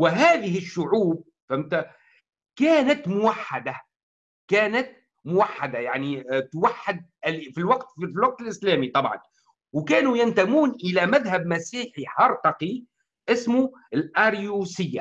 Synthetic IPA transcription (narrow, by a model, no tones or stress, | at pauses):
wɪɦæːðɪɦɪʃːʊʕuːb̚ | fæmt̪a | kæːnat̪mʊwaħːad̪a | kæːnat̪̚ | mʊwaħːad̪ajaʕnit̪waħːad̪̚lfilwɑqt̪ifilwɑq̚t̪ɪlʔɪslæːmit̪ˤɑbʕɑ̰n | wkæːnujɪnt̪amuːnʔɪlæmæðhab̚mæsiːħiħɑɾˤt̪ɑqi | ʔɪsmu | ɪlʔaɾjusɪjːa̰